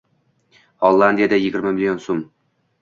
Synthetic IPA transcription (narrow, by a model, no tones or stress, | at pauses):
holˠːand̪ijad̪æjɪɡʲɪɾmamilʲijonsom